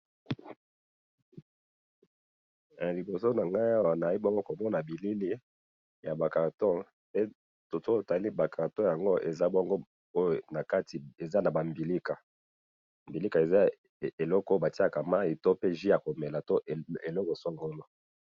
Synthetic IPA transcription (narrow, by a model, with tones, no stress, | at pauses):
a˨li˨bo˨so˦na˨ŋɡa˦ja˦wa˨na˨˦i˦bɔ˦ŋɡo˦ko˨mɔ˦na˨bi˨li˦li˦ | ja˨ba˨kã˨tɔ̃˦ | pe˦ | to˨to˦˨ta˨li˦ba˨kʰã˨tɔ̃˦ja˨ŋɡo˦ʔe˨za˦bɔ˦ŋɡo˦ | o˦jo˨na˨ka˦ti˨e˨za˦na˨ba˨mbi˨li˦ka˨ | mbi˨li˦ka˨e˨za˦ | e˨lɔ˦kba˨ti˦a˨ka˨ma˦i˨to˦pe˦ʒi˦a˨ko˨me˨la˨to˦˨e˨lɔ˦ko˨so˦ŋɡo˦no˦